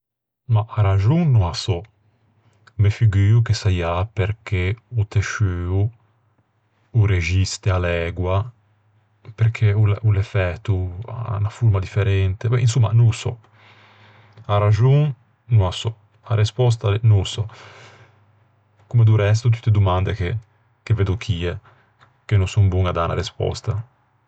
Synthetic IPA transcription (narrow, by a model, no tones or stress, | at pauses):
maʔaɾaʒuŋːuasɔ | mefiɡyːukesajapeɾkeut̪eʃyːu | uɾed͡ʒist̪ealɛːɡwa | peɾkʰeululɛfɛt̪ːua̰a̰ṵnafuɾmad̪ifeɾɛnt̪ebɛʔins̬umːa̰nusɔ̰ | arad͡ʒuŋ | nuasɔ | aɾespɔs̬t̪anusɔ | kumed̪uɾɛst̪ut̪̬u̥t̪ːed̪umand̪eke | keveːd̪uk̟ʰiːe | kenːusumbuŋad̪ana̰ɾespɔ̰st̪a